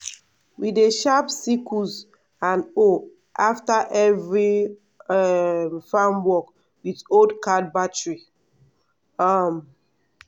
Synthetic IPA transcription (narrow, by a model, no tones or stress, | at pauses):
wideʃapsikʰuz | ãno | ʔaftaʔɛvɹi | fãmwɔk | witodkad̚batɹi | ʌm